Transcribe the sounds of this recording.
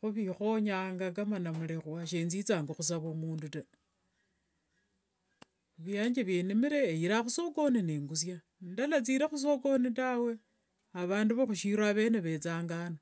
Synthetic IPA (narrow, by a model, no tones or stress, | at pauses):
xuβixo̞ɲaːŋɡakamanamulexwaʃeːnzit͡saːŋɡoxus̬aβomuːnduta | uβjaːɲd͡ʒeβjenimiɾe̞ːjiɾaxuso̞ko̞nineːŋɡusja | dalat͡siɾexus̬o̞ko̞nitawe̞ | aβaːnduβaxuʃiɾaβe̞ːneβe̞t͡saːŋɡana